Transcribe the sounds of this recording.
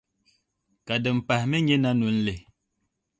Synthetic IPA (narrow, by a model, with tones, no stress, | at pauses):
ka˨dɨ˨m̩˨pa˨hmɨ˦ɲe˦na˦nu˨˦n̩˦le˨